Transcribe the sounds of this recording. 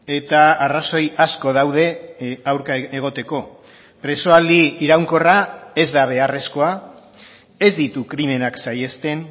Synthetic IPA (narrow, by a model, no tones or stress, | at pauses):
e̞t̪aːraso̞jasko̞ðawð̞e̞awɾkaeɣ̞o̞t̪e̞ko̞ | pɾe̞so̞ald̪iːɾawŋko̞rae̞zd̪aβ̞e̞are̞sko̞a | e̞zd̪it̪ukɾime̞naksaje̞st̪e̞n